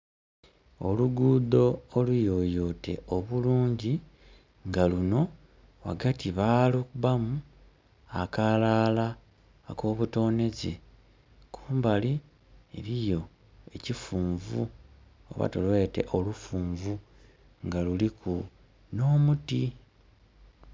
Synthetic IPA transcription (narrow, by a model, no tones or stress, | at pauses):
o̞luɡuːdo̞ːlujo̞ːjo̞te̞̰o̞βuluːɲɟi | ŋɡaluno̞ | wa̰ɡatiβaːlokuβamu | akalaːla | ko̞ːβuto̞ːne̞ze | kʰu̥ːmbali | eɾijo̞ | e̞cifuːɱvu | o̰βa̰tolwe̞ːte̞̰ʔo̞lufuːɱvu | ŋɡalulikʰu | no̞ːmuti